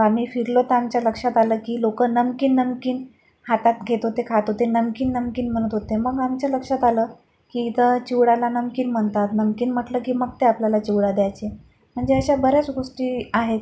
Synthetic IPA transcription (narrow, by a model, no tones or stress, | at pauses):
am̤iːfiɾlot̪əamt͡ɕjaləkʂat̪aləːkiːlokənəmkiːnːəmkiːn | hat̪at̪ɡʱet̪ot̪ekʰat̪ot̪enəmkiːnːəmkiːnm̤əɽ̃ət̪ɦot̪eməɡamt͡ɕjaləkʂat̪aləː | kiːit̪ət͡ɕiwɽalanəmkiːnm̤əɳt̪at̪nəmkiːnm̤əʈləːkiːməɡt̪eapljalat͡ɕiʋɽad̪jajt͡ɕe | m̤əɳd͡zeəɕabəɾjat͡sɡoʂʈiːaɦet̪